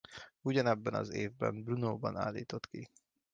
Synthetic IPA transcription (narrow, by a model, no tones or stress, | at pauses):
uɟɒnɛbːɛnɒ̰zeːvbɛ̰mbrunoːbɒnaːlːiːt̪o̞t̪ki